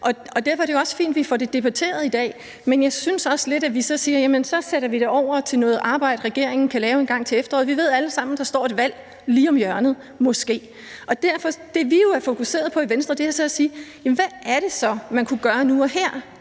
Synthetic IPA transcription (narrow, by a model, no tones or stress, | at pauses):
ʔɒ̽ɒ̽d̥æɐ̰fɒæɐɾejoɒ̽sfḭːnd̥ʋifɒɾ̥e̝d̥e̝b̥æt͡sʰe̝̰ːɐðˠid̥ɛ̰ː | menjɑ̈ɪsynsɒ̽sle̝d̥æʋisɒ̽siːɐjæmənsɒ̽seɾ̥ɐʋiɾ̥e̝ɒʊ̰ɐt͡sʰe̝lnɔ̽ːð̞̩ˠʔɑ̈ːb̥ɑ̈ɪ̰d̥ʁɛɡ̥e̝̰ɐ̰eŋn̩kʰælɛːʊe̝nɡ̥ɑ̈ŋ̰t͡sʰe̝efd̥ɐʁɔ̰ːð̰̩ˠʋiʋe̝ð̞ˠæləsɑ̈m̰n̩d̥ɑ̈sd̥ɒ̰ːe̝d̥ʋæl̰ | liːɒ̽mjɶɐnð̩ˠ | mɒ̽sɡ̥e̝̰ː | ʔɒ̽d̥æɐfɒ̽d̥e̝ʋijo̝æɐfo̝kʰuse̝̰ːɐð̞̩ˠpʰɒ̽iʋensd̥ʁɐd̥e̝æɐsɒ̽æsiːjæmnʋæʔæɐɾ̥e̝sɒ̽mænkʰuɡ̥ɶːɐnuɒ̽hæɐ̰